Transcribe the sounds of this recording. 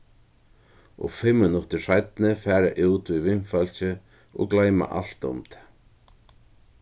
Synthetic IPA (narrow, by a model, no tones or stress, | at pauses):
ɔ̰ɣfɪmːɪnʊt̪ɪsajt̪nɪfɛːɾaʔuwt̪vivɪnfœlt͡ɕɪ | ɔ̰ɣklaːjma̰ʔa̰l̥t̪ʊ̰mt̪ʰɛ̥